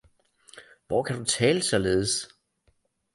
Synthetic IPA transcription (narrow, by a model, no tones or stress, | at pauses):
ʋɒkʰæd̥ut͡sʰɛːləsɒ̽le̝ːð̞ˠəs